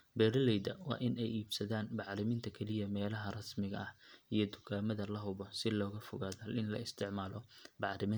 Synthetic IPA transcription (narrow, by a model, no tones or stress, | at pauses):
bɛːɾɐlɛjd̪ɐwɑ̰ːʔɪnɛjiːbsɐðaːnbɑʕɾɪmɪnt̪ʰɐkʰɛlɪjɐmɛːlɐɦɐrɐsmɪɣɐ̰ʔɐhijɞd̪ʊɣaːmɐðɐlɐɦʊβɔsɪlɔːɣɐfʊɣaːðɐɐlɪnlɐ̰ɪst̪ʰɪʕmaːlɔbɑʕɾɪmɪ